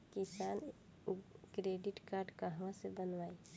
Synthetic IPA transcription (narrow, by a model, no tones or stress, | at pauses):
kisan | kɾeɖiʈkaɾɖkəɦʋãsebənʋaːi